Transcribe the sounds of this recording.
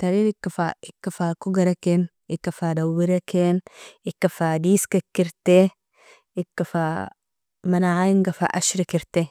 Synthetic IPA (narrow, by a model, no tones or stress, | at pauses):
t̪ɐɾɪɾɪkːɐfa̰ɪkːɐfaːkʊɡɐɾɐken | ɪkːɐfadɐwɪɾɐkenɪkːɐfaːd̪iːskɐkːɪɾt̪e | ɪkːɐfaː | mɐnaʕajɪŋɡɐfa̰ʔɐʃɾɪkɪɾt̪e